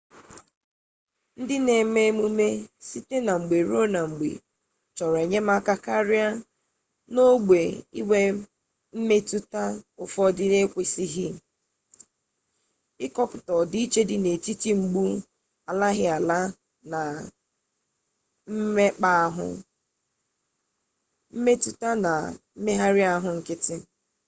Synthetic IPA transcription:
n̩˦dɪ˦ne˨me˦mu˦me˦si˦te˦na˨ŋ͡m̩˨ɡ͡be˨ɾo˦na˨ŋ͡m̩˨ɡ͡bḛ˨ | t͡ʃɔ˨ɾe˨ɲe˦ma˦ka˨ka˦ɾɪ˦a˦ | no˦ɡ͡be˨i˦we˦ | m̩˦me˦tu˦ta˦ʊ˨fɔ˦dɪ˦ne˦kʷe˨si˦ɦɪ˦ | ɪ˦kɔ˦pʊ˨tɔ˨dɪ˦i˦t͡ʃe˦dɪ˦ne˨t͡ʃi˦ti˦ŋ͡m̩˨ɡ͡bu˦ | a˨la˦ɦɪ˦a˨la˦ | na˨ | m̩˦e˦k͡pa˦ɦʊ̰˦ | m̩˦me˦tu˦ta˦na̰˨m̩˦me˦ɦa˦ɾɪ˦a˦a˦ɦʊ˨ŋ̩˨kɪ˦tɪ˦

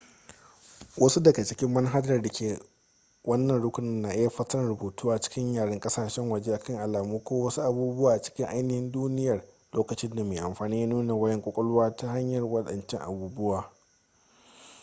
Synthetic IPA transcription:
wʔɐ˦su˦dɐ˨ɡɐ˨t͡ʃɪ˦kʲɪ˦mːɐ˦nɦa˦dɐ˨rdɐ˨kʲeː˨ | wɐ˦nːɐ˨nɽʊ˦kʷʊ˨nɪ˦nːaː˨ʔɪ˦ja˨ɸɐ˦sɐ˦ɽɐ˨buː˨tʰuː˦ʔa˨t͡ʃɪ̥˦kʲɪ˦ɲjaː˨ɽɐ˦ŋkʼɐ˦saː˨ʃɛ˦ŋwɐ˨d͡ʒeː˦ʔa˨kɐ˦ŋʔa˨laː˨muː˦kʷoː˦wɐ˦su˦ʔa˨buː˦bʊ˦waː˨ʔa˨t͡ʃɪ̥˦kʲɪ˦ʔa˦jnɪ˨hɪ˦nduː˦nɪ˦jɐ˨r | loː˦kɐ˨t͡ʃɪ˦nda˨meː˨ʔa˨mɸaː˨niː˦ja˦nuː˦na˨wɐ˦jɛ˦ŋkʷʼʊ˦kʷʼɔ˦lʊ˦waː˦ta˦ɦa˦ɲjɐ˨rwɐ˦ɗɐ̰˨nt͡ʃɪ˦ŋʔa̰˨buː˦bʊ˦waː˨

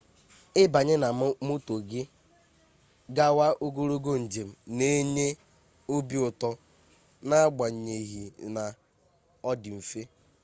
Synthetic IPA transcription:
ɪ˦ba˨ɲɪ˦na˨m˦mo˦to˨ɡɪ˦ | ɡa˦wa˦ʔo˦ɡo˦ɾo˦ɡo˦n̩˨d͡ʒe˨m̩˨ne˦ɲe˦ | o˦bi˦ʊ˨tɔ˦ | na˦a˦ɡ͡ba˨ɲ̩˨ɲe˨ɦi˨na˨ | ɔ˦dɪ˨m̩˨fe˦

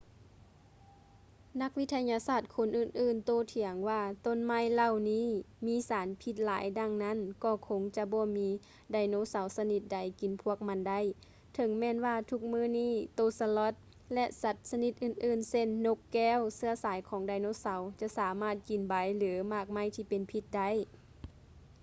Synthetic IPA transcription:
na˧˥k̚wi˧˥t̪ʰa˧ɲaː˧saː˧˩t̪̚kʰo˧˥˨nʔɯː˧˨nʔɯː˧˩˨nt̪oː˧˨t̪ʰi˨˦əŋwaː˧˩t̪o˧˥˨nma˧˥˨jla˧˨wniː˧˥˨ | miː˧˥˨saː˨˦npʰi˧˥t̪̚laː˨˦jda˧˨ŋna˧˥˨nkɔː˧˩kʰo˧˨ŋt͡ɕa˧bɔː˧˦miː˧˥ | daː˧˩jnoː˧˥˨sa˨˦wsa˧ni˧˩t̪̚da˧˩jki˨˦npʰu˧˩ək̚ma˧˥nda˧˥˨j | t̪ʰɤ˨˧˦ŋmɛː˧˨nwaː˧˩t̪ʰu˧˩k̚mɯː˧˥˨niː˧˥˨t̪oː˧˩˨sa˧lɔ˧˦t̪̚ | lɛ˧ʔsa˧˦t̪̚sa˧ni˧˩t̪̚ʔɯː˧˩˨n̚ʔɯː˧˩˨nse˧˨nːo˧kːɛː˧˥˨wsɯ˧ɐsaː˨˦jkʰɔː˨˦ŋdaː˧jnoː˧˥˨sa˨˦wt͡ɕa˧ʔsaː˨˦maː˧˥˩t̪̚ki˨nba˨˦jlɯː˨˦maː˧˩k̚ma˧˥˩jt̪ʰiː˧˩pe˨npʰi˧˥t̪̚da˧˥˨j

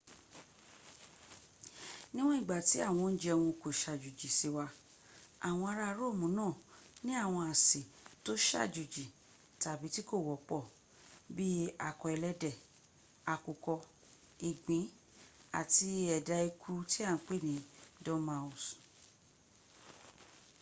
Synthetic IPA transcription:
nĩ˦w̃ɔ̃˦ĩ˦˨ɡ͡ba˨ti˨˦a˦˨w̃ɔ̃˧n̩˦d͡ʒɛ˧wũ˧˨ko˨ʃa˨d͡ʒu˨d͡ʒi˨si˧wa˧ | a˨w̃ɔ̃˧a˧ɾa˧˦ɾo˦˨mũ˨˦nãː˦˨nĩ˦a˦˨w̃ɔ̃˧a˨si˨to˦ʃa̰˦˨d͡ʒu˨d͡ʒi˨ | ta˨bi˨˦ti˦ko˦˨wɔ˨k͡pɔ˦˨ | bi˦a̰˨kɔ˨ɛ˧lɛ˦dɛ˨ | a˨ku˨kɔ˧ | i˨ɡ͡bĩ˨˦ | a̰˨ti˧ɛ˨da˧i˧ku˦ɾu˧˦ti˦a˦˨n̩˦k͡pe˦˨nĩ˨˦dɔ̃˦ma˧˦u˨s

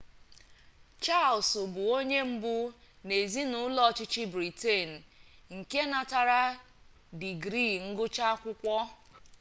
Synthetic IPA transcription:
t͡ʃa˦˨lsʊ˨bʊ˨o˦ɲe˦m̩˦bʊ˦ | ne˨zi˦nʊ˨˦lɔ˦˨t͡ʃɪ˦t͡ʃɪ˦bɾi˨te˦˨n̩˨ŋ̩˨ke˦na˨ta˨ɾa˦ | di˨ɡɾi˦˨ŋ̩˦ɡʊ˦t͡ʃa˦kʷʊ˦kʷɔ˦

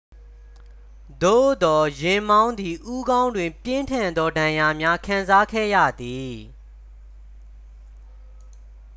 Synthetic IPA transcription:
d̪o̰˦˨d̪ɔ˨jɪ̃˨mã˦ʊ̃nd̪i˨ʔu˦ɡã˦ʊ̃ndwɪ̃˨mpjɪ̃˦ntʰã˨nd̪ɔ˦dã˨ja˨mja˦kʰã˨nza˦kʰɛ̰˦˨ja̰˦˨d̪i˨

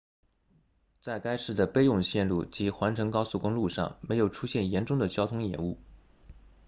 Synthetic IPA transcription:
t͡sa˥˩ɪka˥ɪʂɻ̩˥˩d̪ə˩pe˥ɪjʊ˥˧ŋɕjɛ˥˧nlṵ˥˩t͡ɕi˧˥xwa˧˥nʈ͡ʂʰɤ˧˥ŋkɑ˥ʊsu˥˩kʊ˥ŋlu˥˧ʂɑ̰˥˩ŋme˧˥ɪjo˨˩ʊʈ͡ʂʰu˥ɕjɛ˥˩njɛ˧˥nʈ͡ʂʊ˥ŋd̪ə˨t͡ɕjɑ˥ʊt̪ʰʊ˥ŋjɛ̰˨˩˦nu˥˩

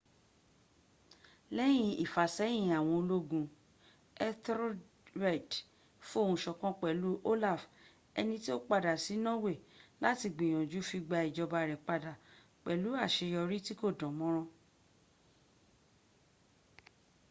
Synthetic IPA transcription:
lɛ˦j̃ĩ˧ḭ˨fa˨sɛ̃˨˦ĩ˧˨a˨w̃ɔ̃˧o˧lo˦ɡũ˧ | ɛ˦tɾ | ɾɛ˦˨d | fu˦o˦˨hũ˧˨ʃɔ˧kɔ̃˦k͡pɛ˨lu˨˦ʔo˦la˦˨f | ɛ˧nĩ˧ti˦o˦k͡pa˧da˨si˨˦nɔ̃˦we˦˨la˦ti˧ɡ͡bĩ˨j̃ɔ̃˨d͡ʒu˨˦fi˧ɡ͡ba˧i˨d͡ʒɔ˧ba˧˨ɾɛ˨k͡pa˧da˨ | k͡pɛ˨lu˨˦a˦˨ʃe˧jɔ˧ɾi˦ti˦ko˦˨dɔ̃˨˦mɔ̃˦ɾ̃ɔ̃˧

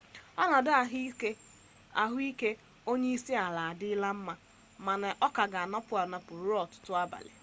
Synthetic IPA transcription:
ɔ˦na˨dʊ˦a˨ɦi˦ke˦ | a˨ɦʊ˦i˦ke˦ | o˦ɲe˦i˦si˦a˨la˨a˨dɪ˦ɪ˦la˦m̩˦ma˦ | ma˨nɛ˨ʔɔ˦ka˨ɡa˨a˨nɔ˦pʊ˨a˨nɔ˦pʊ˨ɾʊ˦ɔ˨tʊ̥˦tʊ˦a˦ba̰˨lḛ˨

